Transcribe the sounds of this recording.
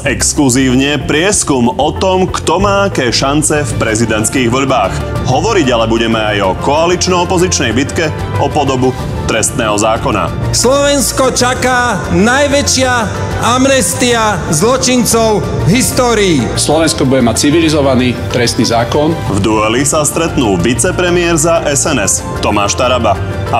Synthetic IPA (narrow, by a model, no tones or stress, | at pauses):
ɛkskluziːʊɲɛpɾɪɛskumɔt̪ɔmkt̪ɔmaːakɛːʃant͡sɛfpɾɛzid̪ɛnt̪skiːɣʋɔʎbaːx | ɦɔʋɔɾiɟalɛbuɟɛmɛajɔkɔalit͡ʃnɔɔpɔzit͡ʃnɛjbit̪kɛ | ɔpɔd̪ɔbu | t̪ɾɛst̪nɛːɦɔzaːkɔna̰ | slɔʋɛnskɔt͡ʃakaːnajʋɛt͡ʃɪa | amnɛst̪iazlɔt͡ʃint͡sɔʊɦist̪ɔːɾiːslɔʋɛnskɔbuɟɛmac̚t͡siʋilizɔʋaniːt̪ɾɛst̪niːzaːkɔn | vd̪uɛlisast̪ɾɛt̪nuːʋit͡sɛpɾɛmɪɛɾzaʔɛsɛnɛs | t̪ɔmaːʃt̪aɾaba | a